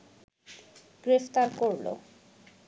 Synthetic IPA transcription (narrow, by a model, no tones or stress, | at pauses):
ɡ̥ɾeft̪aɾkoɾlo̰